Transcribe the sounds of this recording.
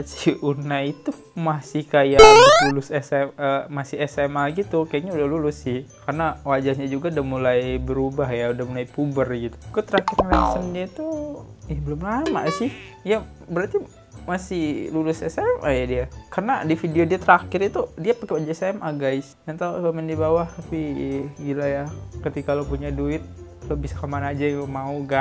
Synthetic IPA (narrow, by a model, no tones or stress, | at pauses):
siunait̪u | masɪhkajaʔlulʊsɛsɛəmasɪɛsɛmalaɡit̪ukajaɲaudahlulʊsːɪhkarnawad͡ʒahɲad͡ʒuɡaudahmulajbəɾubaɦjaudahmulajpubərɡit̪u̥kt̪əɾakɪrɲalɛsəndiait̪u | jabəlʊmlama̰sɪhija | bəɾart̪i | masɪhlulʊsasamʔajadiakarəna̰difideodiat̪əɾakɪɾit̪udiapakewad͡ʒasamʔaɡaɪsdant̪auəmɛndibawaht̪apiɡilajakət̪ikalopuɲaduɪt̪̚ | lobisakamanad͡ʒamauɡa